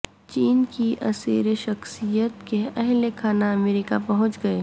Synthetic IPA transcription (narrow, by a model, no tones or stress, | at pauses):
t͡ʃiːnkiʔɐsḭːɾeʃɐxsijət̪keɐɦlekʰaːnaɐmeːɾikapɐɦʊ̃t͡ʃɡɐeː